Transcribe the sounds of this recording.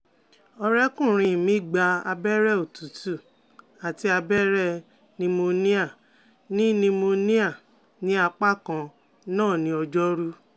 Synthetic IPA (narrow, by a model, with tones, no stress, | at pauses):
ɔ˧ɾɛ˦kũ˦˨ɾ̃ĩ˧˨mĩ˨˦ɡ͡ba˧a̰˧bɛ˦ɾɛ˦˨o˨tu˨˦tu˦˨ | a˨ti˧˦a˧bɛ˦ɾɛ˦˧ | nĩ˧mo˧nĩ˦a˦˨ | nĩ˦nĩ˧mo˧nĩ˦a˦˨ | nĩ˦a˧k͡pa˦kã˧ | nãː˦˨nĩ˨˦ɔ˧d͡ʒɔ˦ɾu˦